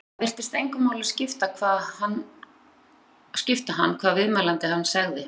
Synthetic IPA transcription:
vɪr̥t̪ɪst̪ejŋkʏmːaːwlɪ̥scɪft̪akʰvaːðhanː | scɪft̪aɦanːkʰv̥aːðvɪðmɛːlant̪ɪhanːsaɣðɪ

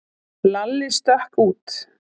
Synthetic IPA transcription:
lalːɪst̪œhkuːt̪

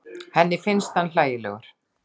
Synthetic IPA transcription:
hɛnːɪfɪnst̪hanl̥aːjɪlɛ̰ɣʏɾ̥

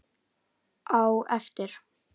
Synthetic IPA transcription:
ʔawɛft̪ɪɾ̥

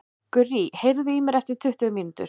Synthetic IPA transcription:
kʏrihejɾðɪimɛɾɛft̪ɪɾt̪ʰʏht̪ʏmint̪ʏ̰ɾ̥

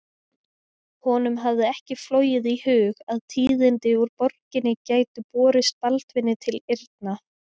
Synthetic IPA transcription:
hɔnʏmɦavðɪɛhcɪfloːwjɪðihʏːɣaðt̪ʰiːðɪnt̪ɪuɾpɔɾ̥cɪnːɪcaːjt̪ʏpɔːɾɪstalt̪vɪnːɪt̪ʰɪlɪɾt̪̚na

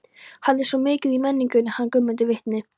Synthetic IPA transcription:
hanːɛɾ̥sɔmɪːcɪðimɛnːiŋcʏnɪhankʏmːʏt̪̬ʏvɪht̪nɪ

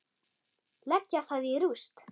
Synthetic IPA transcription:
lɛcːaθaðiɾust̪

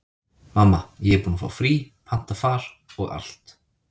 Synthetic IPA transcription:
mamːajɛpuːnafa̰wfɾiː | pʰan̥t̪afaːɾ | ɔɣa̰l̥t̪

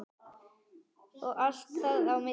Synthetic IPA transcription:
ɔɣʔal̥t̪ːaðawmɪ

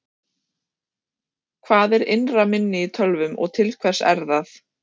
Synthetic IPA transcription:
kʰvaːðɛɾɪ̰nramɪnːɪit̪ʰœlvʏmɔ̰ɣt̪ʰɪlkʰvɛ̥sɛ̰ɾθaθ

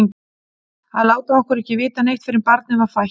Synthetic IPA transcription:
ŋ | haðlaːwt̪aɔhkʏɾɛhcɪvɪːt̪anejht̪fɪɾɪmpaɾt̪̚nɪvaɾ̥faj

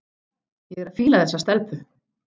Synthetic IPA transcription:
jɛɣɛɾaðfiːlaðθɛsːast̪ɛlpʏ

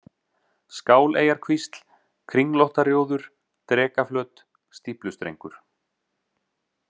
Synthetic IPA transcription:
skaːwleːjaɾ̥kʰvist̪l̥ | kʰɾiŋlɔht̪aɾjoːwðʏɾ̥ | t̪ɾɛːkaflœːt̪ | st̪iplʏst̪ɾḛjŋkʏɾ̥

